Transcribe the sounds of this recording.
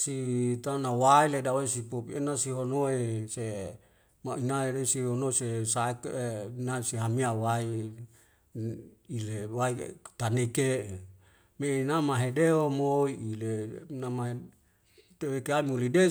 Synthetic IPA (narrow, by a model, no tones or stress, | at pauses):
sit̪anawailedawesipopienasiɦonoese | mainaeɾesiɦonosesaekenasiɦamiawai | ilewait̪aneke | menamaɦedeɦomoiʔilenamaɦe | t̪ewekeaimulide